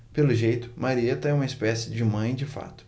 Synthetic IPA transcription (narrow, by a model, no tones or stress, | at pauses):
pelʊʒejt̪ʊmaɾiet̪ɐɛũmɐɪspɛsɪd͡ʒɪmɐ̃j̃d͡ʒɪfa̰t̪ʊ̥